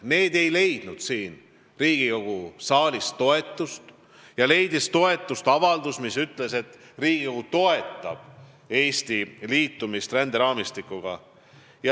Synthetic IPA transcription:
ne̞ːd̪e̞jle̞jd̪̥nud̪̥siːn | riːɡ̥iko̞ɡ̥usɑːlʲist̪o̞e̞t̪ːˑust̪ | jɑle̞jd̪ist̪o̞e̞t̪ːˑust̪ɑvɑld̪usmisyt̪ːˑle̞se̞t̪ː | riːɡ̥iko̞ɡ̥ut̪o̞e̞t̪ːˑɑb̥ | e̞ːst̪iliːt̪ˑːumist̪rænd̪eɾɑːmist̪ikːˑuɡ̥ɑ | jɑ

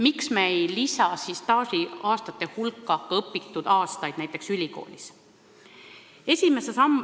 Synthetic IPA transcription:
miksmeejlisɑsiːst̪ɑːsiɑːst̪ɑt̪ːˑe̞hulkːˑɑkːɑɤpːˑit̪ːud̪̥ɑːst̪ɑjd̪næjt̪ːˑe̞ksylʲiko̞̰ːlʲis | e̞sʲime̞sesɑm

